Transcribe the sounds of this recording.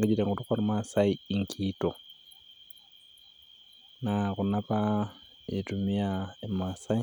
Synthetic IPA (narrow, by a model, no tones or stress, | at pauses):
ɡeɟitaŋɡutukoɾimasaiiŋkʰito | nakunapa | itumiaemasai